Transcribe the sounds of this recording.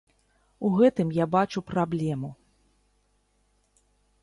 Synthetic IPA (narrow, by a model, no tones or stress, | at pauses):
uɣɛt̪ɨmjabat͡ʂupɾablʲɛmu